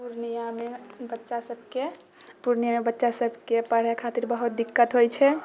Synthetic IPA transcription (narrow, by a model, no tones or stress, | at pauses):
puɾnijamebətːʃasəb̚ʱke | puɾnijamebətːʃasəbʱkepəɽjakʰat̪iɾbəɦut̪̚d̪ikːət̪ɦojt͡ʃʰɛ